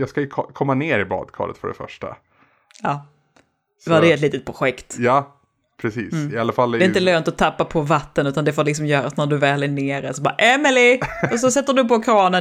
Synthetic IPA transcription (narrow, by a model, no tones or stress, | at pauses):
jɑːɡskajɵkʰkʰɔmːaneːɾɪbɑ̰ːd̪kʰɑ̰ːlə̰t̪fœ̰ɖɛ̰fœ̰ʂʈa̰ | ɑː | add̪ɛɛt̪liːt̪ət̪̚pʰɾʊɧɛkt̪jɑ | pʰɾɛsiːsɪalːafald̪ɛɪnt̪əløːnt̪ɔt̪ʰːapːapʰɔvat̪ːənʉ̟ːt̪and̪ɛfoːɾlɪks̬ɔmjœːɾasnæɖɵvæːlɪneːɾasɔbɑ̰ːɾaʔɛmɪlɪɔs̬ɔsɛt̪ːəɖɵpɔkʰɾɑːnə